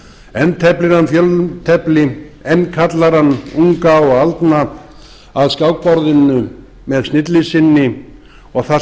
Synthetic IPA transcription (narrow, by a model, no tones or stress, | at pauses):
ɛnt̪ʰɛplɪnanːfjœlt̪ʰɛplɪɛnːkʰat̪laɾanːuŋkaɔɣalt̪na | aðskaːwk̚pɔɾðɪnːʏ | mɛðsnɪt̪lɪsɪnːɪ | ɔɣθa